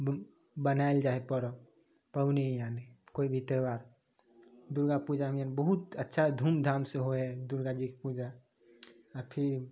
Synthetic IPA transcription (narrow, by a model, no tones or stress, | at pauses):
bənaeld͡ʒaɦepəɾɔ | pəbnejanekoibʱit̪ebaːɾ | d̪uɾɡapud͡ʒamijanbəɦut̪ətːʃʰad̪ʱuːmd̪ʱaːmseɦoɛd̪uɾɡad͡ʒikepud͡ʒa | ɔɾpʰiɾ